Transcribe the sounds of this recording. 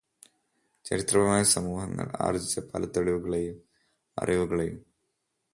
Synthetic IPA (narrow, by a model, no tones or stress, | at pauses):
t͡ɕɐɾit̪rɐmaːjɐsɐmuːhɐŋːɐ̰ɭa̰ːrɐd͡ʑit͡ɕːɐpʰɐ̰lɐt̪ːoɻiʋuɣɐɭejum | ɐ̰riʋuɣɐɭejṵm